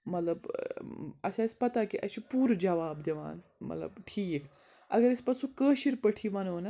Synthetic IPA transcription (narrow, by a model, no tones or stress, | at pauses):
mɐt̪lɐb | ɐ̰sãispɐt̪akiʔɐʃipuːɾd͡ʒɐʋaːbd̪eʋa̰ːn | mɐ̰t̪lɐ̰bʈʰiːk | ɐ̰ɡɐɾispɐsũkəːʃiɾpəʈʰiʋɐnoːnɐ